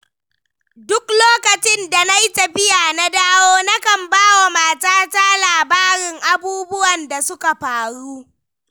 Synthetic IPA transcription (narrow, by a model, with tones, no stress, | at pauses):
dʊ˦kloː˦kɐ˨t͡ʃɪ˦nda˨na˦ji˦tɐ˨ɸɪ˦jaː˨na˦daː˦woː˦na˦kɐ˨mbaː˦wa˨maː˨taː˦ta˦laː˨baː˦ɽɪ˨ŋʔa˨buː˦bʊ˦wɐ˨nda˨sʊ˦ka˨ɸaː˨ɽuː˦